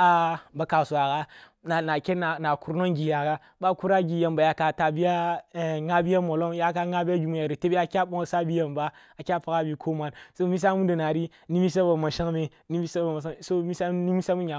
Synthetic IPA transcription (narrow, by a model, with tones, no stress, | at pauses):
a˨ba˨ka˨su˨wa˨ɡa˦ | na˨na˨kʲe˦na˨na˨ku˦ɾno˦ŋɡi˨ja˨ɡa˦ | ba˦ku˦ɾa˦ɡi˨ja˨mba˨ja˨ka˨ta˨bi˦ja˦˨ŋa˦bi˦ja˦mo˨lo˦ŋ˦ja˦ka˦ŋa˦bi˦a˦ɡʲi˨mu˦ja˨ɾi˨te˦be˦a˨˦kʲa˦ɓo˦ŋo˦˨sa˦bi˦ja˨mba˦ | a˨kʲa˦pa˨ka˦bi˨kʰo˦ma˨nso˦mi˦s̬a˦mu˦da˨na˨ɾi˦ | ni˦mi˦s̬a˦ba˨ma˨ʃa˦ŋme˨ | ni˦mi˦sa˦ba˨ma˨s̬a˦˨so˦mi˦sa˦ni˦mi˦sa˦mu˦ɲa˨